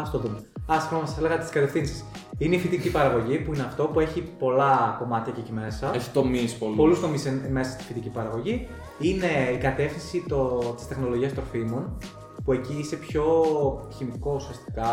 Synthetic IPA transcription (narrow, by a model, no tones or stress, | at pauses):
ɐst̪oðumeɐsomɐsɐsele̞ɣɐt̪i̥skɐt̪efθinsi̥s | ine̞ifit̪icipɐɾɐɣo̞ʝipuine̞ɐft̪o̞pue̞çipo̞lɐko̞mɐt̪çɐcecime̞sɐei̥t̪omispolpo̞lust̪o̞miseme̞sɐst̪i̥fit̪icipɐɾɐɣo̞ʝi | ine̞ikɐt̪e̞fθĩnsit̪ot̪i̥st̪e̞xno̞lo̞ʝiɐst̪ɾo̞fimo̞n | pue̞ciise̞pço̞çimiko̞usiɐst̪i̥kɐ